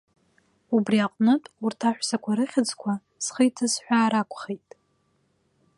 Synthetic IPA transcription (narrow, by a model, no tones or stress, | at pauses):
ubriaqʼnɨtʼurtʰaħᶣʷsakʷʰaɾɨχʲɪd͡zkʷʰa | sχəjtʰasħʷᶣaːɾakʷʰʼχejtʼ